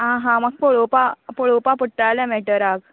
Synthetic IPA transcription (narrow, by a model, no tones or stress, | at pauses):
ɦãɦãmaɡ̚poɭopapoɭopapəʈːalɛ̃mɛʈəɾaɡ